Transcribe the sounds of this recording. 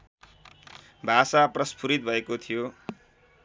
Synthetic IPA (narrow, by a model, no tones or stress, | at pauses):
bʱasaprʌspʰuɾit̪̚bʱʌekot̪ʰijo